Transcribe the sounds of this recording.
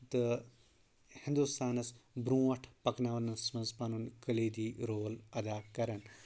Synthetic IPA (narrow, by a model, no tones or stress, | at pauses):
t̪ɨ | hɪ̃nd̪ust̪aːnɐsbɾũːʋɐʈʰpɐknaːʋɐnɐsmɐnzpɐnunkɐleːd̪iːɾoːlɐd̪aːkɐɾɐn